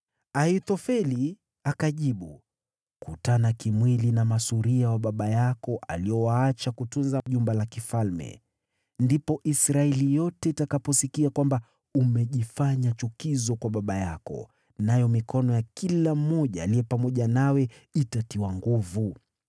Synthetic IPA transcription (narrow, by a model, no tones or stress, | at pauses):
aitɔfɛli | akaʄiɓu | kutanakimwilinamasuɾiawaɓaɓajakɔʔa̰liɔwaat͡ʃakutunzaʄumbalakifalmɛ̰ | ndipɔʔisɾaɛlijɔtɛitakapɔsikiakwamba | umɛʄifaɲat͡ʃukizɔkwaɓaɓajakɔ̰ | najɔmikʰɔnɔjakilam̩ːɔʄaːliɛpamɔʄanawɛitatiwaŋɡuvu